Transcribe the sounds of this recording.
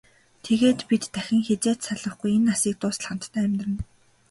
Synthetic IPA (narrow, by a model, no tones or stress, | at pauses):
t̪ʰeɣeːt̪pit̪ːæxʲɪ̆ŋxet͡seːt̪saɮə̆χɡujenːasiːk̚t̪ʊːs̆ɮχə̆n̥t̪ːʰæːmʲt̪rɘ̆n